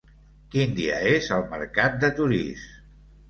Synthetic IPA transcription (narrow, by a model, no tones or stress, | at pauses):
kind̪iə̰ezəlˠmə̰ɾkat̪̚d̪ət̪uɾḭs